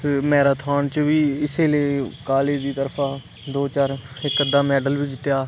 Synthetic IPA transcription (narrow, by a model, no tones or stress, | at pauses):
mɛːɾaːt̪ʰaːnt͡ʃʋiːɪseːləːkaːleːd̪iːt̪əɾpʰãː | d̪oːt͡ʃaːɾɪkːəd̪aːmɛːɖəlʋiːd͡ʒɪt̪jaː